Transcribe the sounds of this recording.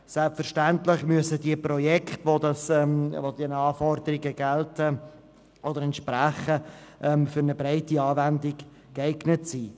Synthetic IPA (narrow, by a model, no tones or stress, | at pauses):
sɛlpfəɾʃtæntlɪχmyəsədiəprɔjɛkχtvod̪ɑsmvod̥̪ɛnəɑːfɔrd̪əɾɪɡəɡɛltə | ʔod̪əɾɛntʃpɾæχəʔɛmfʏɾnəbɾaɪtiɑːvændɪɡ | kɛɪɡnətsiː